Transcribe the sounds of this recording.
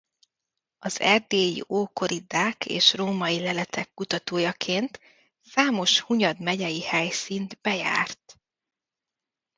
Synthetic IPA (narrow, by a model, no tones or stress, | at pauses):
ɒzɛ̰rd̪eːjḭʔoːko̞ɾid̪aːkḛːʃroːmɒjilɛlɛt̪ʰɛkːut̪ɒt̪oːjɒkʰeːnt̪ | saːmo̞ʃhuɲɒd̪mɛɟɛjihɛjsiːnd̪bɛja̰ːrt̪